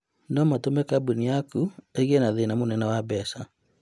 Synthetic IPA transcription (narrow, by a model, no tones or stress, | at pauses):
nɔmatomɛkabuniakueɣenaðenamonɛnawabɛsa